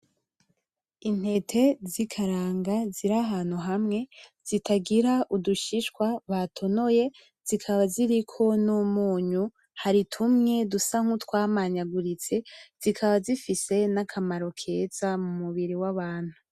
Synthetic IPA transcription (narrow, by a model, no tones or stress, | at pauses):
in̥he̞tʰe̞zikʰaɾaːŋɡaziɾaɦaːn̥huɦamŋe̞z̥itʰaɡiɾaʔuduʃiʃkwaβatʰo̞no̞je̞ | z̥ikʰaβaziɾikʰo̞numuːɲu | haɾitʰumŋe̞dusaŋ̥hutwaːmaɲaɡuɾit͡se̞z̥ikʰaβazifise̞nakʰamaɾo̞kʰe̞zamumuβiɾiwaβaːn̥hu